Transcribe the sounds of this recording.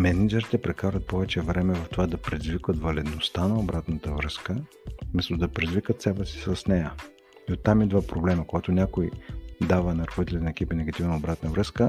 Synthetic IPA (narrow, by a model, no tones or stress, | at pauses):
mɛnɛd͡ʒɛɾit̪ɛpɾɛkaɾvət̪̚pɔvɛt͡ʃɛvɾɛmɛvɐft̪ovad̪ɐpɾɛzvikvət̪vɐlɛd̪nost̪anɐobɾat̪nət̪əvɾəskə | mɛst̪od̪ɐpɾɛzvikət̪sɛbɛsi̥sɐsnɛjə | iot̪ːamid̪vapɾoblɛmɐkoɡat̪onʲakojd̪avənɐɾxod̪it̪ɛlɛnɐɛkipinɛɡɐt̪ivnɐobɾat̪nəvɾɤskə